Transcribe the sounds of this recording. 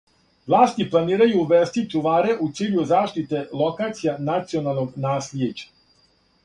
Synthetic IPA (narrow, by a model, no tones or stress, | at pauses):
ʋlˠaːst̪iplˠaniːɾajuʋest̪it͡ʂuʋaːɾeʔut̪siːʎuzaːʃt̪it̪e̞lˠo̞kaːt̪sijanat̪sio̞nalˠnoɡnaːslʲjed͡ʑḁ